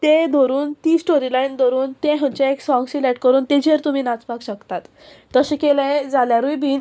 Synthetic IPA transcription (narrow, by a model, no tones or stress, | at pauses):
t̪ẽd̪ʱoɾuːnt̪iːsʈoɾilaind̪ʱɔɾuːnt̪ẽɦə̃t͡ɕaeksɔ̃ŋɡsileʈkəɾuːnt̪ẽd͡ʑeɾt̪um̤iːnat͡spakɕəkt̪at̪ː | əɕẽkelẽd͡zaljaɾujbʱiːn